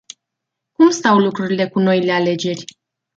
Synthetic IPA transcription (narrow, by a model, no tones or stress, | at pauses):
kumst̪awlukɾuɾile̞kuno̞ile̞ale̞d͡ʒe̞rʲ